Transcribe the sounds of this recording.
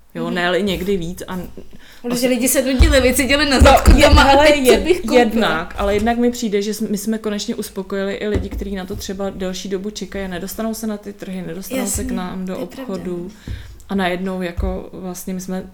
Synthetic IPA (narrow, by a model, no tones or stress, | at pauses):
jonɛlɪɲɛɡdɪviːt͡sʔa | ʒɛlɪɟɪsɛdoɟɛlɪvɪt͡sɪɟɛlɪnazkoɛmaalɛjɪjɛdnakʔalɛjɛdnakmɪpr̝̥iːdɛʒɛsmɪsmɛko̞nɛt͡ʃɲɛʔuspo̞ko̞jɪlɪʔɪlɪɟɪkt̪ɛɾiːnat̪o̞t̪r̝̥ɛbadɛlʃiːdo̞but͡ʃɛkajanɛdo̞st̪anowsɛnat̪ɪt̪r̩ɦɪnɛdo̞st̪annowsɛknaːmdoʔopxo̞du | ʔanajɛdno̞wjako̞vlast̪ɲɛmɪsmɛ